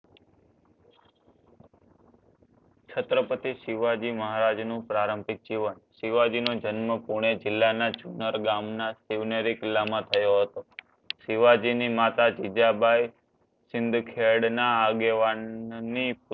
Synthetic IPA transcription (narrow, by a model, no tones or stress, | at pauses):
t͡ʃʰət̪ɾəpət̪iʃiʋad͡ʒiməɦaɾad͡ʒnũpɾaɾə̃mbʱɪk̚d͡ʒiʋənsiʋad͡ʒinod͡ʒənməpuɽ̃ed͡ʒɪlːanat͡ʃunəɾɡamnasiʋneɾikɪlːamãt̪ʰəjoɦət̪o | ʃɪʋad͡ʒinimat̪ad͡ʒid͡ʒabʱaj | sɪnd̪ʱkʰeɽnaːɡeʋanːip